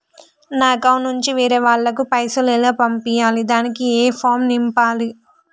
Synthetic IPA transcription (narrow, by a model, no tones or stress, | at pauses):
naːkɐwnuɲt͡ʃiʋiːɾeːʋaːɭːɐkupɐjsɐlɛːloːpɐmpijaːlid̪aːnikieːpʰaːmnimpaːli